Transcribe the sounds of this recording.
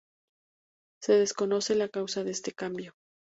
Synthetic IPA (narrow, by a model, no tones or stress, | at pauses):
se̞ðe̞sko̞no̞se̞lakawsaðest̪e̞kambjo̞